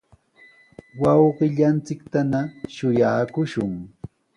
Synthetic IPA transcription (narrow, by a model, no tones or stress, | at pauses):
wɑwɢɪʎant͡sɪkt̪anaʃʊjaːkʊʃʊŋ